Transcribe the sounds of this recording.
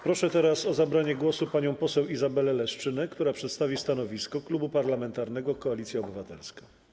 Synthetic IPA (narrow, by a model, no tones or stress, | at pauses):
pɾɔʂɛt̪ɛɾasɔzabɾaɲɛɡwɔsupaɲɔ̃w̃pɔsɛwizabɛlɛlɛʂt͡ʂɘnɛkt̪uɾapʂɛt̪st̪avʲist̪anɔvʲiskɔklubupaɾlamɛnt̪aɾnɛɡɔkɔalʲit̪sʲjaɔbɘvat̪ɛlska